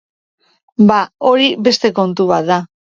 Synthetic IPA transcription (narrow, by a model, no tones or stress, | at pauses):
bao̞ɾibe̞st̪e̞ko̞nt̪uβat̪ða